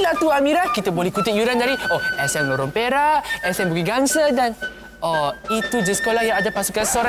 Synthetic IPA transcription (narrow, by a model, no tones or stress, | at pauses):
lat̪uamĩɾahkit̪abolɛhkut̪ɪt̪̚juɾandaɾioʔɛsɛnloɾɔmpeɾaʔɛsɛnbuɡiɡaŋsədan | ɔit̪ud͡ʒəsə̥kolahjãŋadapasukansoɾa